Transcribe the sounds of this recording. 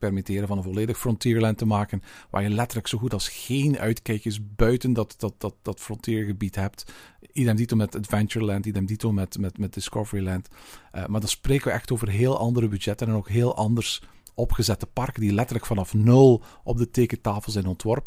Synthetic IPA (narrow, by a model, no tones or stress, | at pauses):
pɛrmitɪːɾənvɑnənvɔleːdəxfrɔntiːɹlɛntəmaːkənʋaːɹjəlɛtəɹləksoːɣutɑlˠsxeːnœ̰ɥtkɛjkəs̬bœɥtəndɑtdɑt̚dɑt̚dɑtfrɔntiːɹɣəbitɦɛp̚tidɛmditomɛtədvɛnt͡ʃəɹlɛntidəɛmditomɛtmɛtmɛt̚dɪskɔvəɹilɛntmaːɹdɑnspreːkəʋəɛxtoːvərɦeːlˠɑndəɾəbyd͡ʒɛtənɛnoːkɦeːlˠʔɑndərs | ɔpxəzɛtəpɑrkəndilɛtəɹləkfɑnɑfnɵlˠʔɔb̚dəteːkətaːfəlˠzɛjnɔntʋɔrpə